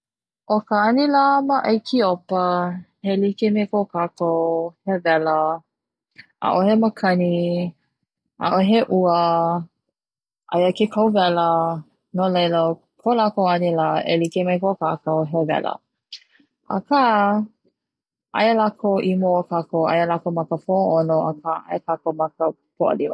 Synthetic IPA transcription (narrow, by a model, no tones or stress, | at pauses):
ʔokəɐnilaməʔɐjkʰiopəhelikemekokakowhevɛlə | ʔa̰ʔoheməkʰɐni | ʔa̰ʔoɦeʔuə | ʔajəkekʰɐwvɛlə | nolejlə | kʰolakoɐnilaʔelikemejkokakowɦevɛ̰lə̰ | ʔə̰kʰa | ʔa̰jəlakʰowʔimookakowʔa̰jəlakomɐkəpʰoonoʔəkʰaʔa̰jəkakomɐkə | pʰoʔə̰liwə̰